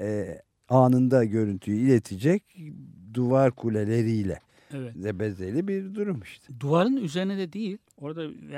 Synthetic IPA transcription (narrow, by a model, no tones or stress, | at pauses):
ɛː | aːnɯnd̪aɟø̞ɾynt̪ʰyjyilʲet̪ʰid͡ʒɛcd̪uvaɾkʰulʲelʲe̞ɾijlʲɛ̰ | ɛvɛzɛbɛzelʲibiɾd̪uɾumɯʃt̪ʰɯ̥d̪uvaɾɯnyzeɾinɛd̪ɛd̪ejilʲo̞ɾd̪a